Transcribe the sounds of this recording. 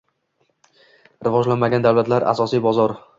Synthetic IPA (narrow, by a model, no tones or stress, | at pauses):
ɾɪvɒd͡ʒlanmaɡʲand̪awlat̪ʰlaɾa̰sɒsijbɒzɒɾ